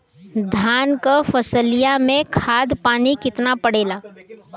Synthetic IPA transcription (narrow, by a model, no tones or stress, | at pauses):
d̪ʱaːnkəfəsəlijamẽkʰaːd̪paːnikɪt̪napəɽeːlaː